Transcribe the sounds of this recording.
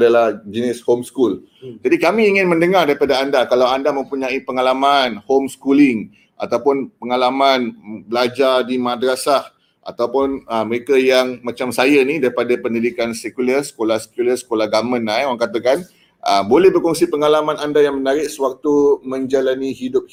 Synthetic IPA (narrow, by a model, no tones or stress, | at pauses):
adalahd͡ʒənɪshomskul | d͡ʒadikamĩːŋɪnmə̃ndəŋardaɾipadaandakalawandamə̃mpuɲãipəŋalamanhomskulɪŋ | ʔa̰t̪awpʊnpəŋalamanbəlad͡ʒardimãdɾasah | ʔa̰t̪awpʊnəməɾekajaŋmãt͡ʃamsajənidaɾipadapəndidikansɛkulərsə̥kolahsə̥kulərsə̥kolahɡamə̃naaŋkat̪akan | ʔəbolɛhbərkɔŋsipəŋalamãnandajaŋmənaɾɪʔ̚səwak̚t̪umə̃ɲd͡ʒalaniɦidʊp̚